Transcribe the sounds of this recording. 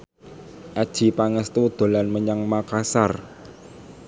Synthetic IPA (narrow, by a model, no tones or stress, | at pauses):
ʔad̥ʒ̥i̤paŋəst̪ud̪̥o̤lanməɲaŋmakasar